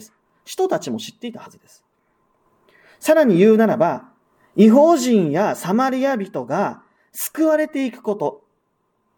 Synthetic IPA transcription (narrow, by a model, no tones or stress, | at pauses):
sɨ̥ | ɕi̥t̪o̞t̪at͡ɕimo̞ɕi̥t̪ːe̞it̪ahazɨd̪e̞sɨ̥ | saɾaɲ̟ijɯ̟ːnaɾaba | iɦo̞ːʑĩɰ̃jasamaɾʲiabʲit̪o̞ɡa | sɨ̥kɯ̟βaɾe̞t̪e̞ikɯ̟̥ko̞t̪o̞